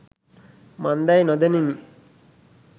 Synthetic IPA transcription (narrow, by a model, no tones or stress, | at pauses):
mand̪ajnod̪ɐnimi